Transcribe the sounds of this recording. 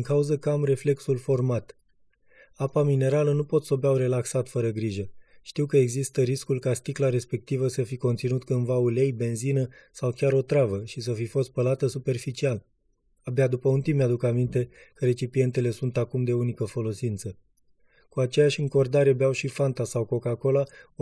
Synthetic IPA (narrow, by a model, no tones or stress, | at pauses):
d̪iŋkauzəkamre̞fle̞ksulfo̞rmat̪ | apamine̞ɾalənupo̞t̪so̞beawre̞laksat̪fəɾəɡɾiʒəʃt̪iwkəeɡzist̪əɾiskulkast̪iklaɾe̞spe̞k̚t̪ivəsəfiko̞nt̪sinut̪kɨnvaule̞jbe̞nzinəsawkʲaɾo̞t̪ɾavəʃisəfifo̞st̪̚pəlat̪əsupe̞rfit͡ʃial | abead̪upəunt̪imead̪ukamint̪e̞ | kəɾe̞t͡ʃipie̞nt̪e̞le̞sunt̪akumd̪e̞unikəfo̞lo̞sint̪sə | kuat͡ʃe̞jaʃʲɨŋko̞rd̪aɾebeawʃifant̪asawko̞kako̞la